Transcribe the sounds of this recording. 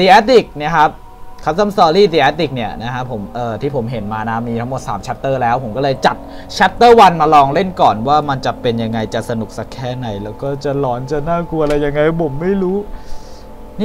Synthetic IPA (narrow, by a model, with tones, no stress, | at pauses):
diː˧ʔɛː˦˥t̪i˨˩k̚ni˦˩kʰa˦˥p̚ | kʰːa˦˥t̪a˥˩msɔː˧liː˥˩d̪iː˧˩ʔɛ˦˥t̪i˨˩k̚ni˥˩ɐna˦˥kʰa˦˥pʰːo˩˦mʔɤː˨˩t̪ʰiː˥˩pʰo˩˦mɦe˩˦nmaː˧na˦˥miː˧t̪ʰa˦˥ŋmo˨˩t̪̚sa̰ː˩˦mt͡ɕʰa˦˥t̪ːɤː˥˩lɛː˦˥wpʰo˨˩˦kɔː˥˩lɤː˧jt͡ɕa˨˩t̪̚ | t͡ɕʰa˦˥t̪ːɤː˥˩wa˧nmaː˧lɔː˧ŋle˥˩nkɔː˨˩nwaː˥˩ma˧nt͡ɕa˨˩pe˧nja˧ŋːa˧jt͡ɕa˨˩sa˧nu˨˩k̚sa˦˥kʰːɛː˥˩na˩˦jlɛː˦˥wkɔː˥˩t͡ɕa˨˩lɔː˩˦nt͡ɕa˨naː˥˩ku˧ɐa˧ɾa˧jːa˧ŋːa˧jpʰo˩˦mːa˥˩jɾuː˦˥ | n˥